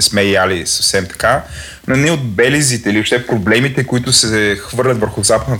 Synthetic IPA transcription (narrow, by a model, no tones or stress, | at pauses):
ɛsmɛjalisəfsɛmt̪ɐ̥ka | nonɛod̪̚bɛlizit̪ɛilioʃt̪ɛpɾoblɛmit̪ɛkʊit̪ʊsɛxvɤɾlʲət̪vəɾxʊzapəd̪nə